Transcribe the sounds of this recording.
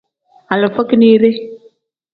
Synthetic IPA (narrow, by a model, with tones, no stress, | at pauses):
a˨lɪ˨fə˦ki˦ni˦ɾɪ˦